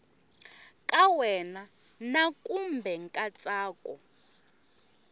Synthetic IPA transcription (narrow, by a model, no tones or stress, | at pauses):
kʼawɛna | nakʼumbʱɛŋkʼat͡sʼaːkʼɔ̰